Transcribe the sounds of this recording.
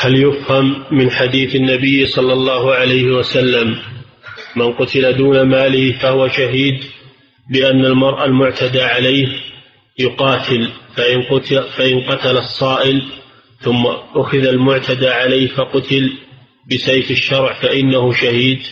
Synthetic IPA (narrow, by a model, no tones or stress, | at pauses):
haljʊfhamːɪnħad̪iːθanːabɪjːsˤɑlːɑlˤːɑːhʕalajhɪwasalːamː | anqʊt̪ɪlad̪uːnamaːlɪhfahʊwaʃaɦiːd̪ | bɪʔanːalmɑɾˤʔalmʊʕt̪ʰad̪aʕalajh | jʊqɑːt̪ʰɪlfaʔɪnʊfaʔɪnqɑt̪alɑsˤːɑːʔɪl | θʊmːaʔʊxɪðalmʊʕt̪ʰad̪aːʕalajhfaqʊt̪ɪl | bɪsejfɪʃːɑɾˤʕfaʔɪnːahʊʃahiːd̪